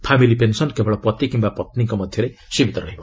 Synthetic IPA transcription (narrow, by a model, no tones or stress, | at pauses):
pʰamilipensʌnkebɔɭɔpɔt̪ikimbapʌt̪niŋkɔmʌd̪ʱjʌɾejsibʱit̪ɔɾʌɦibɔ